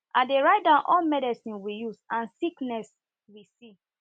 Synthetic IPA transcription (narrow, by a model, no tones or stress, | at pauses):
ãdeɹaɪt̚dãnʔɔlmɛdisĩnwijuzãnsiknɛs | wisi